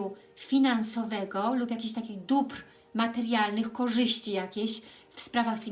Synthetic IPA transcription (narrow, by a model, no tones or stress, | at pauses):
u | fʲinansɔvɛɡɔlupjakʲeɕt̪akʲiɣd̪upɾ | mat̪ɛɾjalnɘxkɔʐɘɕt͡ɕijakʲeɕfspɾavaxfʲi